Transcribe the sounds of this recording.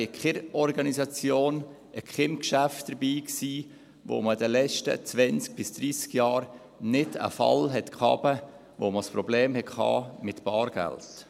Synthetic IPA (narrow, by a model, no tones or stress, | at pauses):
ɪkχɪɾɔɾɡɑnizɑt͡sjoːn | ʔəkχɪmkʃæftd̥̪əɾbiːksiː | ʋo̰mədəlɛt͡ʃtə̰t͡sʋɛnt͡sk̚b̥ɪsd̥̪ɾiːskjɑːɾ | nɪdə̰fɑ̰lɦɛtkʰɑ̰ːbə | ʋo̰məspɾɔbleːmhɛkkʰhɑ̰ːmɪt̪b̥ɑːɾɡ̥æ̰lt